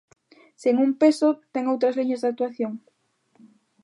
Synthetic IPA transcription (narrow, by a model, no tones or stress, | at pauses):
seŋumpesot̪ɛŋowt̪ɾɐzliɲazðak̚t̪waθjoŋ